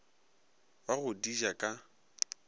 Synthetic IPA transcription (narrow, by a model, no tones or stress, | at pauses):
baɣʊdid͡ʒakʼa